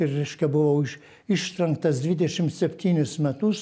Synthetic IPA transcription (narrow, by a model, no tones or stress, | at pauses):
ɪɾːɛɪʃʲkʲɛbʊʋɐʊɪʃ | ɪʃt̪ʲɾʲɛŋkt̪ɐsd̪ʲʋʲɪd̪ʲɛʃʲɪmt̪sʲɛpʲt̪ʲiːnʲʊsmʲæt̪ʊs